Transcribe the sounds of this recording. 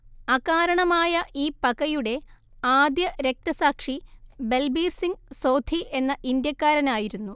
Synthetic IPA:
ɐɣaːɾɐɳɐmaːjɐʔiːpɐɣɐjuɽe̞ | aːd̪jɐɾe̞k̚t̪ɐsaːkʂibe̞lbiːrsiŋsowd̪ʱiʔe̞nːɐʔind̪jɐkːaːɾɐnaːjiɾunːu

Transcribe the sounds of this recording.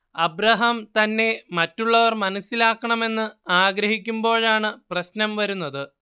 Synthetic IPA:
ɐbɾɐɦɐmt̪ɐnːe̞mɐtːuɭːɐʋɐrmɐnɐsːilaːkːɐɳɐme̞nːɨaːɡɾɐɦikʲːumbo̞ːɭaːɳɨprɐɕnɐmʋɐɾunːɐðɨ

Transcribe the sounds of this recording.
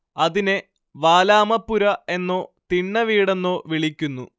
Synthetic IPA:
ɐðine | ʋaːlaːmɐpːuɾɐe̞nːo̞ːt̪iɳːɐʋiːɽenːo̞ːʋiɭikʲːunːṵ

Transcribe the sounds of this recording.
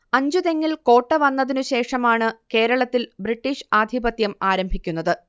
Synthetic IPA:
ɐɲd͡ʑuðe̞ŋːilko̞ːʈːɐʋɐnːɐðinuɕe̞ːʂɐmaːɳɨke̞ːɾɐɭɐt̪ːilbriʈːiːʂaːd̪ʱibɐt̪jɐmaːɾɐmbʱikʲːun̪ːɐðɨ

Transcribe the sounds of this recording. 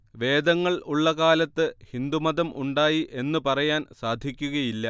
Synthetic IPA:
ʋe̞ːd̪ɐŋːɐɭuɭːɐkaːlɐt̪ːɨhind̪umɐd̪ɐmʔuɳɖaːjiʔe̞nːɨpɐrɐjaːnsaːd̪ʱikʲːuɣɐjilːɐ

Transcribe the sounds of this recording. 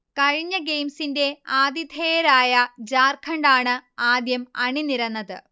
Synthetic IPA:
kɐɻiɲːɐɡe̞jmsinde̞aːd̪it̪eːɐɾaːjɐd͡ʑaːrkʰɐɳɖaːɳɨaːd̪jɐmɐɳiniɾɐnːɐðɨ

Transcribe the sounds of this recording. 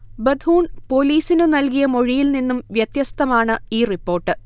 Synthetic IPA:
bɐd̪ʱuːnpo̞ːliːsinɨnɐlkijɐmo̞ɻijilninːumʋjɐt̪jɐst̪ʰɐmaːɳɨiːripːo̞ːrʈːɨ

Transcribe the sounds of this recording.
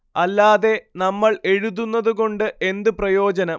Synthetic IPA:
ɐlːaːðe̞nɐmːɐɭe̞ɻuðunːɐðuɣo̞ɳɖɨʔe̞nd̪ɨprɐjo̞ːd͡ʑɐnɐm

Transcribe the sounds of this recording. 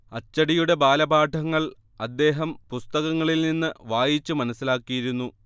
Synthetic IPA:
ɐt͡ɕːɐɽijuɽe̞baːlɐbaːʈʰɐŋːɐɭ | ɐd̪ːe̞ːɦɐmpust̪ɐɣɐŋːɐɭilninːɨʋaːjit͡ɕːumɐnɐsːilaːkːijiɾunːu

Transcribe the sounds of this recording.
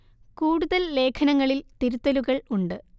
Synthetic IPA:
kuːɽuðɐlːe̞ːkʰɐnɐŋːɐɭilt̪iɾut̪ːɐluɣɐɭuɳɖɨ

